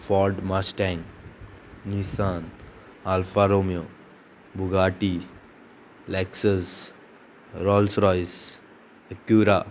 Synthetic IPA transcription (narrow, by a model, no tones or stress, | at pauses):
fɔɾɖmasʈãn | nisan | alfaɾomjo | bʱuɡaʈi | lɛksəs | ɾɔlsɾɔjs | əkjuɾa